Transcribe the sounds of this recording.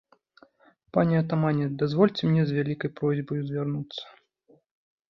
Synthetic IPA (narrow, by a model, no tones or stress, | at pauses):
panʲɛɐt̪amanʲɛd̪azvɔlʲt͡sʲɛmnʲɛzʲvʲalʲikɐjpɾɔzʲbɐjuzʲvʲarnut̪sːɐ̥